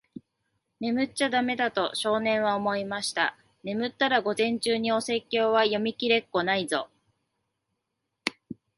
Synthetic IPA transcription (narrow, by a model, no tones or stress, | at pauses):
ne̞mɯ̟t͡ɕad̪ame̞d̪at̪o̞ɕo̞ːnẽ̞ɰ̃βaomo̞imaɕi̥t̪a̰ | ne̞mɯ̟t̪ːaɾaɡo̞zẽ̞ɲ̟t͡ɕɨːɲ̟io̞se̞kʲːo̞ːβajo̞mʲikʲiɾe̞kːo̞naizo̞